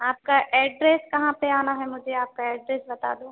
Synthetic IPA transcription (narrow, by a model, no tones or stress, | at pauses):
aːp̚kaʔɛːɖɾeːskɐɦãpeaːnaɦɛmʊd͡ʒʱeaːp̚kaɛːɖɾeːsbɐt̪a̰ːd̪oː